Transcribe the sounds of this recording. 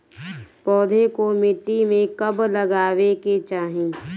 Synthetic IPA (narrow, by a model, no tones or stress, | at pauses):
pɔːd̪ʱekomɪʈːimẽkɐbləɡaːʋeket͡ʃaːɦẽː